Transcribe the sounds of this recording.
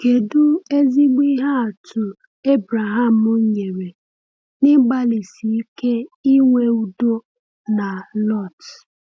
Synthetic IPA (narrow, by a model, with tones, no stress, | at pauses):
ke˨du˦e˦zi˦ɡ͡bi˦ɦa˦a˨tʰʊ˨ | e˦bɾa˨ɦa˦˨m̩˨ʊ˦ɲ˦ɲe˨ɾe˨ | nɪ˦ɡ͡ba˦li˨si˨i˦ke˦i˦ŋʷe˦u˦do˦ | na˨lɔ˦˨t